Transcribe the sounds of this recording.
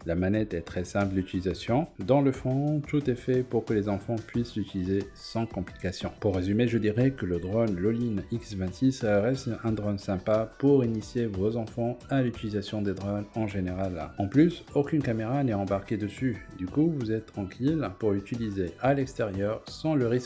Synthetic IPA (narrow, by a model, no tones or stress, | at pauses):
lamanɛt̪ɛt̪χɛsɛ̃pllyt̪ilizasjɔ̃d̪ɑ̃ləfɔ̃t̪ut̪ɛfɛpuʁkəlezɑ̃fɑ̃pɥislyt̪ilize | sɑ̃kɔ̃plikasjɔ̃puʁːezymeʒəd̪iʁɛkələd̪ʁɔnloliniksvɛ̃t̪sisʁɛst̪ɛ̃d̪ʁɔnsɛ̃papuʁinisjevozɑ̃fɑ̃alyt̪ilizasjɔ̃d̪ed̪ʁɔnɑ̃ʒeneʁalɑ̃plysokʲynkameʁanɛɑ̃baʁked̪əsyd̪ykuvuzɛt̪t̪ːχɑ̃kʲʰilpuʁlyt̪ilizealɛkst̪eʁjœʁsɑ̃ləʁisk